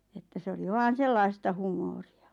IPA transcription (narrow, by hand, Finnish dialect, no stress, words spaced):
etːæ se oli ʋɑːn̞ selːɑistɑ humoːriɑ